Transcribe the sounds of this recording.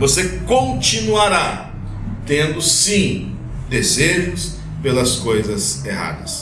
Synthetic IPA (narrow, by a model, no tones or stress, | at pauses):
vosekõnt͡ʃinuaɾa | t̪ẽnd̪ʊsĩ | d̪ezeʒʊs | pelɐskojzɐseɦa̰d̪ɐs